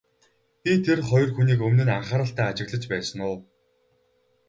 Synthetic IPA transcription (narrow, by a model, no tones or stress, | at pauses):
pʲit̪ʰerχɔj̆rxuniːkɵmnɘ̆naɴχaːɾə̆ɬt̪æːat͡ɕɪ̆ɣɮə̆t͡ɕpæːsə̆nʊː